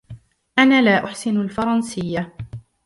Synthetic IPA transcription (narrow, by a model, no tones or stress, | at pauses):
ʔanaːlaːʔʊħsɪnalfɑɾˤɑnsɪjːa